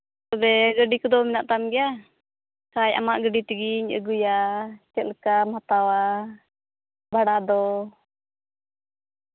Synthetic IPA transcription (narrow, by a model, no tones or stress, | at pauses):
t̪ɔbɛɡəɖikɔd̪ɔmɛnaʔt̪amɡɛja | kajʔa̰maʔɡəɖit̪iɡiɲə̰ɡujat͡ʃɛlkamhat̪awa | bʱaɽad̪ɔ